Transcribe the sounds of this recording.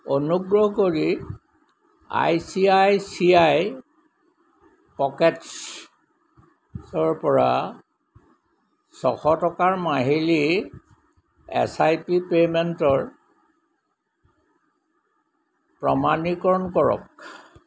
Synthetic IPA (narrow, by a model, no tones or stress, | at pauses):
onuɡɹɔɦɔkoɹi | a̰jsiajsiaj | pɔkɛt | sɔɹpɔɹa̰ | sɔxɔtɔkaɹmaɦili | ɛ̰sajpipementɔɹ | pɹɔmanikɔɹɔnkɔɹɔ̰k